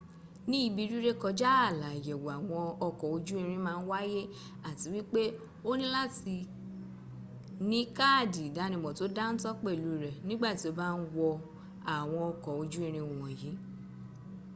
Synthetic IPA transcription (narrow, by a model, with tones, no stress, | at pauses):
nĩ˦i˧bi˧ɾi˦ɾe˦kɔ˧d͡ʒa˦a˦˨la˨jɛ˨wo˨a˨w̃ɔ̃˧ɔ˧kɔ˨o˧d͡ʒu˦e˦˧ɾ̃ĩ˧mãː˦˧n̩˦wa˦je˦ | a˦˨ti˨˦wi˦k͡pe˦ | o˦nĩ˦la˦ti˧ | nĩ˨˦ka˦˨di˨da˨˦nĩ˧˨bɔ˨to˦da˦n̩˦tɔ˦k͡pe˦˨lu˨˦˨ɾɛ˨nĩ˦ɡ͡ba˦˨ti˨˦o˧˦ba˦n̩˦wɔ˧ | a˨w̃ɔ̃˧ɔ˧kɔ˨o˧d͡ʒu˦e˧ɾ̃ĩ˧˨wũ˨wɔ̃˨ji˨˦